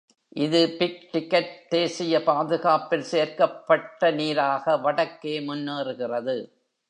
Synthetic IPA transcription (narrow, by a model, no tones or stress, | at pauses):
ʔɪðɯpɪk̚ʈɪkːɐʈ̚t̪eːsɪjɐpaːðɯɣaːpɪlseːɾkɐpːɐʈːɐniːɾaːɣɐʋɐɽɐkːeːmʊnːeːrɯɣɪrɐðɯ